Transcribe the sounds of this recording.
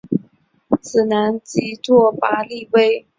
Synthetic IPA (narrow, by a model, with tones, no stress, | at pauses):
t͡sɹ̩˨˩na˧˥nt͡ɕi˧˥t̪wɔ˥˩pa˧˥li˥˩˨we˥ɪ